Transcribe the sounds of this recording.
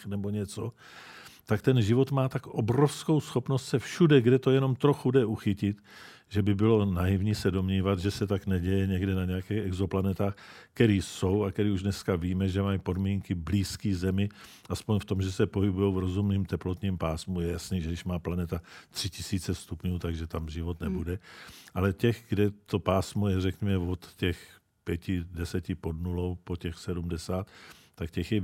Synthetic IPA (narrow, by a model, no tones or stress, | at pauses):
nɛbo̞ɲɛt͡so | t̪akt̪ɛnʒɪvo̞t̪maːt̪akʔobɾo̞fsko̞wsxo̞pnost̪sɛfʃudɛɡdɛt̪o̞jɛno̞mt̪ɾo̞xudɛʔuxɪcɪt̪ | ʒɛbɪbɪlo̞najivɲisɛdo̞mɲiːvat̪ʒɛsɛt̪aknɛɟɛjɛɲɛɡdɛnaɲɛjakɛːxɛɡzo̞planɛt̪aːxkɛɾiːso̞wakɛɾiːuʒdnɛskaviːmɛʒɛmajipo̞dmiːŋkɪbliːskiːzɛmɪ | ʔaspoɲft̪o̞mʒɛsɛpo̞ɦɪbujowvɾo̞zumniːmt̪ɛplo̞t̪ɲiːmpaːsmujɛjasniːʒɛdɪʃmaːplanɛt̪at̪r̝̥ɪcɪsiːt͡sɛst̪upɲuːt̪aɡʒɛt̪amʒɪvo̞t̪nɛbudɛʔalɛcɛɣɡdɛt̪o̞paːsmo̞jɛrɛkɲɛmɛvot̪ːɛx | pjɛcɪdɛsɛcɪpo̞dnulowpocɛxsɛdumdɛsaːt̪t̪ːakcɛxjɛ